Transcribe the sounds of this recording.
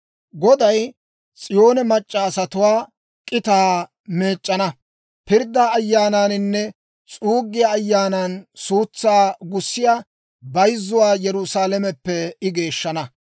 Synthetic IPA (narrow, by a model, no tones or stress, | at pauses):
ɡɔd̪ɐj | t͡sʼɪjo̞ːnɛmɐt͡ʃʼːaːsɐt̪ʊwaː | kʼɪt̪aː | me̞ːt͡ʃʼːɐnɐ | pɪɾd̪ːaːjːaːnaːnɪnːɛ | t͡sʼuːɡːɪjaːjːaːnansuːt͡sːaːɡʊsːɪja | bɐjzːʊwaːjɛɾʊsaːlɛmɛpːɛɪɡe̞ːʃːɐnɐ